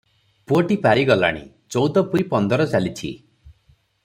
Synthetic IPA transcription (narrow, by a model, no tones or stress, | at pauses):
puoʈipaɾiɡɔla̰ɽ̃ḭ | t͡ʃɔwd̪ɔpuɾipɔnd̪ɔɾɔt͡ʃalit͡ʃʰḭ